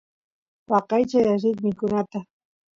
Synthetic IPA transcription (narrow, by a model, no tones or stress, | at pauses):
wɑqɑjt͡ʃajaɾɪt̪mɪkʊnat̪a